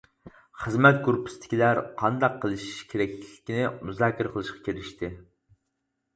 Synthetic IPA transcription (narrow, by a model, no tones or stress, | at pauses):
χəzmɛt̪̚ɡuɾpʰːɪ̥st̪ʰɪ̥kʲilæɾqʰɑnd̪ɑqʰːəlˠɨʃi̥ʃkʲʰeɾɛk̚ʲlɪkʲinɪmuzɑːkʲʰɪɾqʰəlˠɨʃqɑ̥kʲʰeɾɪʃt̪ʰɪ